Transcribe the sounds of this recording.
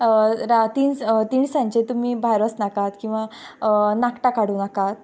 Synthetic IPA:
ɾat̪int̪iɳsãɲt͡ɕet̪umiːbʱajɾəsnakat̪kĩw̃ʋa | nakʈakaɽ̤uːnakat̪̚

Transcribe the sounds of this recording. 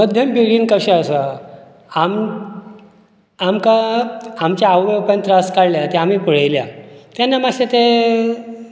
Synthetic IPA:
məd̪ʱjəmpiɽiːnkəɕəəsə | am | amkaamt͡ɕjaawʋepənt̪ɾaskaɽljat̪eam̤iːpəɽ̤ajlja̰t̪janːamaɕet̪e

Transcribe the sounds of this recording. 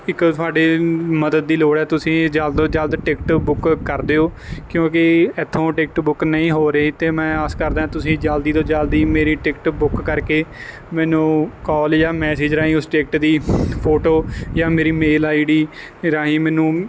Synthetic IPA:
ɪkt̪ʊaːɖeːməd̪əd̪̚ːiːloːɽɛːt̪ʊsĩːd͡ʒəld̪oːd͡ʒəld̪ʈɪkʈbʊkkəɾd̪eːoːkjõːkɪɛt̪ʰːõːʈɪk̚ʈbʊknəĩːɦoːɾeːt̪eːmɛ̃ːaːskəɾd̪ãːãːt̪ʊsĩːd͡ʒəld̪iːt̪õːd͡ʒəld̪iːmeːɾiːʈɪkʈbʊkːəɾkeː | mɛ̃ːnũːkɔːljaːmɛːseːd͡ʒɾaːĩːʊsʈek̚ʈd̪iːpʰoːʈoːjãːmeːɾiːmeːlaːiɖiː | ɾaːɦĩːmɛ̃ːnũː

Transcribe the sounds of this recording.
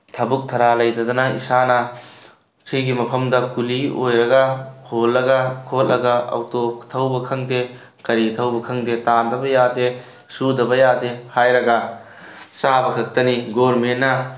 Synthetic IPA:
tʰɐbuk̚tʰɐɾalɐjdɐd̪ɐnɐḭsanɐ | kʰijɡimɐpʰɐmdɐkuliʔojɾɐɡɐholːɐɡɐkʰotlɐɡɐɐ̰wtotʰɐwbɐkʰɐŋde | kɐɾitʰɐwbɐkʰɐŋdetandɐbɐjade | sudɐbɐjadehajɾɐɡɐ | sabɐkʰɐk̚tɐniɡoɾmenːɐ

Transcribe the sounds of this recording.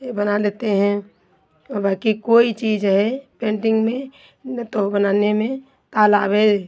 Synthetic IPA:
bənad̪eːt̪eɦɛ̃ | ɔbaːkikoːit͡ʃiːd͡ʒɦɛpẽːɳʈɪ̃ŋɡmẽ | t̪obənaːnemẽ | t̪aːlaːbe

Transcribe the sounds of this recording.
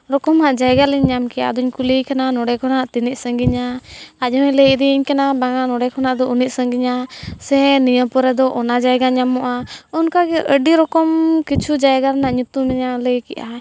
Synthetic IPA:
ɾɔkɔmaʔd͡ʒajɡaliɲːamkɛʔa̰d̪ɔɲkulijkananɔɽɛkʰɔnaʔt̪iniʔ̚səŋɡiɲaad͡ʒɔmɛləd̪iiɲkanabaŋanɔɽɛkʰɔnaʔd̪ɔuniʔ̪̚səŋɡiɲasɛnijəpɔɾɛd̪ɔʔɔnad͡ʒajɡaɲamɔʔaɔnkaɡɛʔəɖiɾɔkɔmkit͡ʃʰud͡ʒajɡaɾnaʔɲut̪umɛɲaləjkɛ̰ʔa

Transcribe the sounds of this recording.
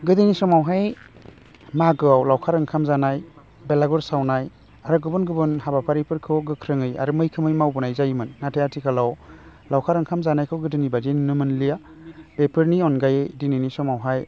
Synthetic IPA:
ɡɯdɯnisɔmawɦaj | maɡɯawlawkʰaɾɯŋkʰamzanaj | belaɡɔɾsawnaj | aɾɯɡɯbɯnɡɯbɯnhabapʰaɾipʰɯɾkʰɯwɡɯkʰɾɯŋɯja̰ɾɯmɯjkʰɯmɯjmawbɯnajzajmɯnːatʰejatʰikʰalawlawkʰaɾɯŋkʰamzanajkʰɯwɡɯdɯnibadennɯmɯnlija | b̥epʰɯɾniɔnɡajedininisɔmawɦaj

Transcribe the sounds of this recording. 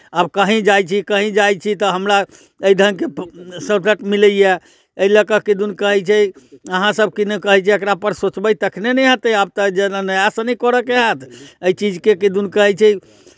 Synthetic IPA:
abkəɦĩd͡ʒajt͡ʃʰikəɦĩd͡ʒajt͡ʃʰit̪ɔɦəmɾa | əjd̪ʱənkesəbsəʈmiləije | əiləkəkid̪unkəɦɛt͡ʃʰɛəɦãsəbkinkəɦɛt͡ʃʰɛəkɾapəɾsot͡ʃbəjt̪əkʰnenɛjɦət̪əab̚t̪əd͡ʒenanəjasənɛkɔɾəkeɦat̪ʰəjt͡ʃid͡ʒkekid̪unkəɦɛt͡ʃʰɛ

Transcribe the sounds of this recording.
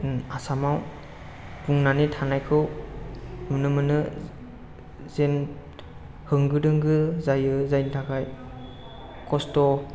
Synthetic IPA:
asamaw | puŋnanitʰanajkʰɯw | mɯnɯmɯnɯ | zen | hɯŋɡɯdɯŋɡɯzajɯzajntʰakʰaj | kʰɔstɔ

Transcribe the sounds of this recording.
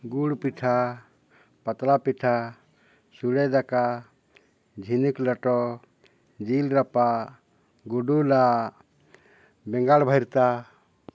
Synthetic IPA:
ɡuɽpiʈʰa | pat̪lapiʈʰa | suɽɛd̪aka | d͡ʒʱinukləʈɔ | d͡ʒilɾapa | ɡuɖula | bɛ̃ŋɡaɽbʱəjɾt̪a

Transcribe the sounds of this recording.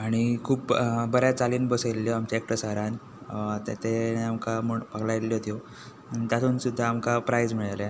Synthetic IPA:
aɽ̃ikʰuːpbəɾjat͡saliːnbəselːjɔamt͡ɕaek̚ʈəsəɾãn | t̪at̪ʰeneamkaməpaɡlalːjot̪jo | t̪jat̪ʰuːnsud̪ʱːaːmkapɾajd͡zm̤iɭala

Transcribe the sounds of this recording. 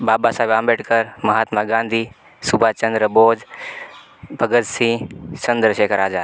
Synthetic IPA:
baːbasaːbãːmbeːʈkəɾmɐɦaːt̪maɡãːnd̪ʱiː | subʱaːt͡ʃɐ̃nd̪ɾəboːd͡ʒ | bʱɐɡət̪sĩt͡ʃɐnd̪ɾəʃeːkʰəɾaːd͡ʒaː

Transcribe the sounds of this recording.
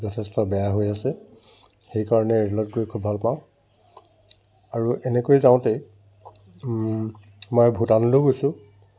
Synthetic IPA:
zɔtʰɛstɔbɛjaɦojasɛ | xejkaɹɔnɛɹlɔt̚koɹikʰubʱalpãʊ̃ | aɹuʔɛnɛkojzaʊ̃te | mɔjbʱutanloɡojsʊ̃

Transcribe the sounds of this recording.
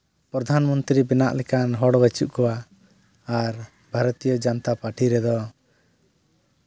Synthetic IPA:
pɾɔd̪ʱanmɔnt̪ɾibɛnaʔlɛkanɦɔɽɔbɛt͡ʃuʔkɔwa | aɾ | bʱaɾɔt̪ijɔd͡ʒant̪apaʈʰiɾɛd̪ɔ

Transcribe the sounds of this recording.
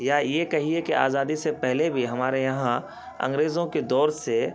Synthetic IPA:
jajekɐɦiekeʔa̰ːzaːd̪isepɛɦlebʱiɦɐmaːɾejɐɦã | ɐ̰̃ŋɡɾeːzõked̪ɔːɾse

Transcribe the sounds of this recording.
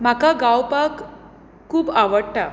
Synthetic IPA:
m̤akaɡawpak | kʰːuːbaʋəɽʈa

